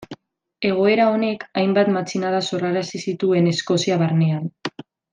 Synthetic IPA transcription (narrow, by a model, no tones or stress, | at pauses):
e̞ɣ̞o̞e̞ɾao̞ne̞kajmbat̪mat͡sinaðaso̞raɾasisit̪ue̞ne̞sko̞siaβaɾne̞an